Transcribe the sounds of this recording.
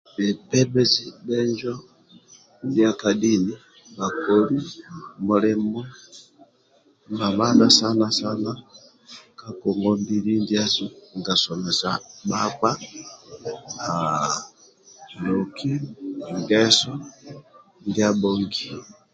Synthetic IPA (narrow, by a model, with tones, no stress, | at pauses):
bɛ˨pɛ˦bɛ˦zi˦bɛ˦ɲd͡ʒɔ˦ | ndja˦ka˨di˦ni˦ | ba˨kɔ˨li˦mɔ˨lɛ˦mu˦ | ma˨ma˦na˨sa˦na˦sa˦na˦ | ka˨kɔ˨ŋɡɔ˦mbi˨li˦n˦dja˦zi˦ŋ˨ɡa˨sɔ˨mɛ˨sa˨ba˦k͡pa˦ | a˨ | lɔ˨kʰi˦ŋɡɛ˦sɔ˦ | ndja˦bɔ˦ŋɡi˨